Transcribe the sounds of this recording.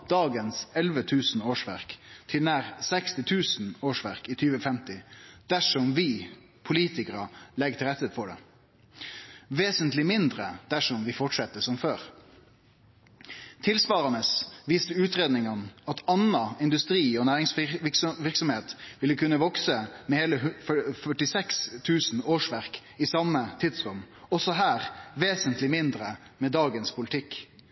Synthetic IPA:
d̪̥ɑːɡənsɛlʋət̪ʰʉːsn̩oːʂʋæ̰ɾkt̪ʰɪlnæːɾsɛkst̪ɪt̪ʰʉːsn̩oːʂʋæʁkɪt̪ʰyːʋəfɛmt̪ɪd̪̥æʂɔmʋɪ | pʰʊliːt̪ɪkəɾɑlɛɡt̪ʰɪlɾɛt̪ːəfɔɖɛ̰ | ʋeːsənt̪lɪmɪnd̪ɾəd̪̥æʂɔmʋɪfɔʈʂɛt̪ːəsɔmføːɾ | t̪ʰɪlsʋɑːɾɑnəsʋiːst̪əʉːt̪ɾeːd̪nɪŋɑnɑt̪ɑnɑɪnd̪ʉst̪ɾiːɔnæːɾɪŋsʋʋɪʁksɔmheːt̪ʋɪlːəkʰʉnːəʋɔksəmɛheːləfœfœʈɪsɛkst̪ʰʉːsn̩oːʂʋæʁk | ɪsɑmːət̪ʰɪd̪sɾʉm | ɔsɔɦæːɾʋeːsənt̪lɪmɪnd̪ɾə | mɛd̪ɑːɡənspʰʊlɪt̪ʰɪkː

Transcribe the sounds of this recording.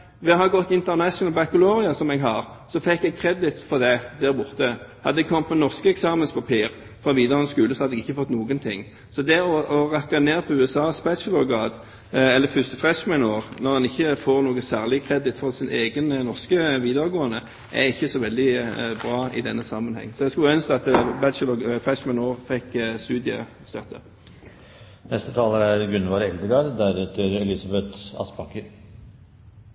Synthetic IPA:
ʋɛɦɑʁɡɔt̪ːɪnt̪əʁnæʃnlbækʊloːʁɪɑsɔmɛɡɦɑʁsɔfɛkːɛɡ̚kʰɾɛd̪ɪt̪fɔʁd̪æd̪æːʁbʊʁt̪əhɑ̰d̪ːəd̪ɛɡ̚kʰɔmt̪mɛnɔʁskəɛksɑːmənspʰɑpʰiːʁ | fʁɑʋiːd̪ɑʁənskʉːləsɔhɑd̪ːɛɡɪçːəfɔt̪ːnuːɡənt̪ʰɪ̰ŋː | sɔd̪ɛɔɔʁɑkːɑneːʁpʰɔʉːɛsɑːspɛʃəlɔɾɡɑːd̪ | ɛlːəfʉst̪əfʁɛʃmænoːʁnɔʁɑnɪçːəfoːʁnoːɡəsæːʁlɪkʰʁɛd̪ɪt̪fɔʁsɪnʔeːɡənnɔʁskəʋiːd̪ɑʁəɡoːənːə | ʔæ̰ɪçːəsɔʋɛld̪ɪbʁɑːɪ̰d̪ɛnːəsɑmənhɛ̰ŋːsɔd̪ɛskʉœnst̪ɑt̪bæʃəlɔɡfʁɛʃmænoːʁfɛkst̪ʉːd̪ɪə̰ | st̪œt̪ʰːə̰ | nɛst̪ət̪ʰɑːləɾæɾɡʉnʋɑːɾɛld̪əɡɑːd̪d̪æɾɛt̪ʰɪlɛlɪsɑbɛt̪ɑ̰sbʰɑkːəɾ

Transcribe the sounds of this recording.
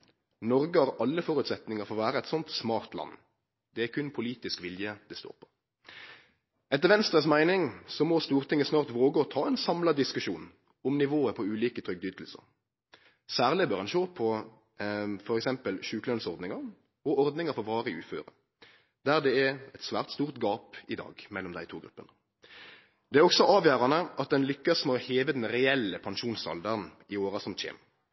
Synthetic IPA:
nɔɾɡəhɑɾɑlːəfɔɾʉt̪sɛt̪nɪŋəɾfɔʁʋæːɾəɛɪt̪sɔnt̪smɑːʁt̪lɑ̰nː | d̪ɛækʰʉnpʰʊliːt̪ɪskʋɪljəd̪ɛst̪o̰ːpʰɔ̥ | ɛt̪ːəʁʋɛnst̪ɾəsmæɪnɪŋsɔmɔst̪uːʁt̪ʰɪŋːəsnɑːʁt̪ʋoːɡəɔt̪ʰɑːɛnsɑmlɑd̪ɪskʉʃuːn | ɔmnɪʋoːəpʰɔʉːliːkət̪ʰʁɾʏɡ̚d̪yːt̪l̩sə̰ʁ | sæːʁlɪbœːʁhɑnʃoːpʰɔ | fɔɾɛksɛmpəlʃʉːkəlœnsɔʁd̪nɪŋɑʁ | ɔɔɾd̪nɪŋəfɔʋɑːʁəɪʉːfø̰ːɾə̰ | d̪̥æʁd̪ɛɛɛt̪sʋæ̰ːʁt̪st̪uːʁt̪ɡɑːpɪd̪ɑ̰ːɡmɛlːɔmd̪æ̰ɪt̪ʰuːɡɾʉpːənə | d̪̥ɛæʁɔksɔʔɑːʋjæːɾɑnəʔɑt̪̚d̪ɛnlʏkːɑsmɛɔheːʋəd̪ɛnɾɛɛlːəpʰɑnʃuːnsɑ̰ld̪əʁn | ɪoːʁɑsɔmc͡çḛːm

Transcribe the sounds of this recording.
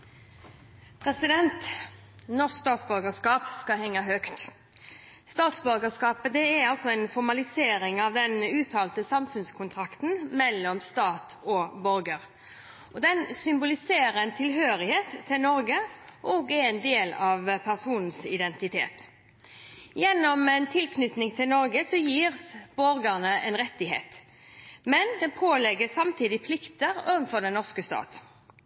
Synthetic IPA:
pʰʁɛsɪd̪ɛnt̪ | nɔʂkst̪ɑːt̪sbœɾɡəskɑːpskɑhɛŋːɑɦœkt̪ | st̪ɑːt̪sbœɾɡəskɑːpəd̪ɛæɾɑlsɔɛnfɔɾmɑlɪseːɾɪŋɑʋd̪ɛnʉːt̪ʰɑːlt̪əsɑmfʉnskʰʊnt̪ʰʁɑkt̪n̩mɛlːɔmst̪ɑːt̪ɔbɔɾɡəɾ | ɔd̪ɛnsʏmbʊlɪseːɾəɛnt̪ʰɪlɦøːɾɪheːt̪ʰːɪlnɔɾɡəʔɔɡɛɛnd̪eːlɑʋpʰæʁsuːnn̩sɪd̪ɛnt̪ɪt̪ʰḛːt̪ | jɛnːɔmɛnt̪ʰɪlkʰnʏt̪nɪŋt̪ʰɪlnɔɾɡəsɔjiːʁsb̥ɔɾɡəʁnəʔɛ̰nʁɛt̪ːɪɦḛːt̪ | mɛnd̪ɛnpʰoːlɛɡəsɑmt̪ʰiːd̪ɪpʰlɪkt̪əɾoːʋənfɔʁd̪ɛnnɔʁskəst̪ɑ̰ːt̪

